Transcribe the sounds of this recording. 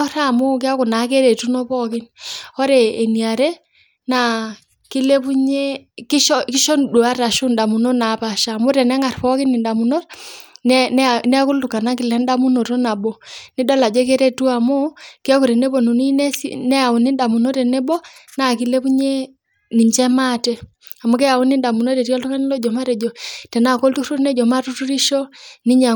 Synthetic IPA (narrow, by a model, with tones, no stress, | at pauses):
ɾa˦˨mo˦kja˦ku˨na˨˦k̬e˦ɾe˨tu˦nɔ˦pɔ˦kɪ˦nɔ˦ɾɛː˨ni˨a˨ɾɛ˦ | na˨ | ki˦le˦βu˦ɲe˦ki˦ʃɔ˦ki˦ʃɔ˦ndu˨a˦ɾa˨ʃo˦nda˨mu˨no˦na˨pa˨ʃa˨mo˦ɾɛ˨nɛ˦ŋa˨rpɔ˦kɪ˦ni˨nda˨mu˨no˦rnɛn˦nɛ˦ku˦lu˨ka˨na˦ki˨lɛ˦nda˦mu˦no˨ɾo˦na˨bo˨ni˦dɔ˦la˨d͡ʒɛ˦ke˦ɾɛ˦tu˦a˨mo˦ke˦ɔ˦ku˨ɾɛ˨ne˦bo˨nu˨ni˦nɛ˦snɛ˦a˨o˨ni˦nda˨mu˨no˦tɛ˨nɛ˦bɔ˦na˨ki˨lɛ˦pu˦ɲɛ˦ | ni˨ɲd͡ʒɛ˦ma˦tɛ˦ | a˨mo˦kɛ˦a˨u˦ni˦nda˨mu˨no˦tɛ˨ɾi˦ɔ˦ltu˦ka˦n˦lɔ˦d͡ʒɔ˨ma˦ɾɛ˨d͡ʒɔ˨tɛ˨na˨ko˦ltu˦ɾu˦rnɛ˦d͡ʒɔ˨ma˦tu˦tu˦ɾi˦ʃɔ˦ni˦ɲa˨